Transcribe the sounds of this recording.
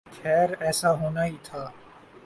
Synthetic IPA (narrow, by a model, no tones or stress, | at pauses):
kʰɛːɾɛːsaɦoːnaɦit̪ʰaː